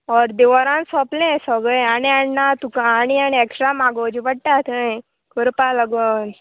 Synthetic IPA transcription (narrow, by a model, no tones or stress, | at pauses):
ɔɾd̪iʋɔɾãnsɔːplẽsɔɡəaniaɳːat̪ukaanianieksɾamaɡoːd͡ʒibəɽʈat̪ʰə̃ | kuɾpaləɡon